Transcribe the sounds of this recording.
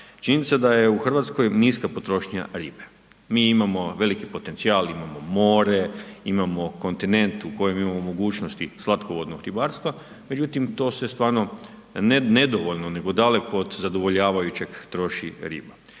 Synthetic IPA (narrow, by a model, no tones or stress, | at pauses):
t͡ʃininit̪sad̪ajeuxr̩ʋat̪sko̞jniskapo̞t̪ɾo̞ʃɲa̰ɾiːbe̥ | miimamo̞ʋe̞likipo̞t̪e̞nt̪siaːlimamo̞mo̞ːɾe̞imamo̞ko̞nt̪ine̞nt̪uko̞jemimamomo̞ɡuːt͡ʃnost̪islˠat̪koʋod̪noɡɾibaːɾst̪ʋa | med͡ʒut̪imt̪o̞ːsest̪ʋaːɾno̞ | ne̞d̪o̞ʋoʎnone̞ɡo̞d̪ale̞koːd̪zad̪oʋo̞ʎaːʋajut͡ɕe̞ɡt̪ɾo̞ʃḭɾḭːba